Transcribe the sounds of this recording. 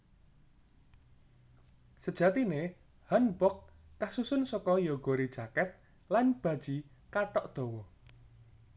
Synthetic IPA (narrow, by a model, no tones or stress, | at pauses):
səd̥ʒ̥ä̤t̪ine | hanbɔkː | asusʊnsɔkɔjɔɡ̥o̤ɾid̥ʒ̥akɛt̪̚ | lanb̥ä̤d̥ʒ̥i | kaʈɔʔd̪̥o̤wɔ